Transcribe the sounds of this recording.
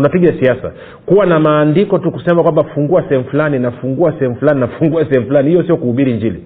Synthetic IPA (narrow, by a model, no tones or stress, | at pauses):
unapiɠasiasa̰ | kuwanamaːndikɔtukusɛmakwambafuŋɡuasɛhɛm̩fulaninafuŋɡuasɛhɛm̩fulaninafuŋɡuasɛhɛm̩fulanihijɔsijɔkuhuɓiɾiɲd͡ʒilḭ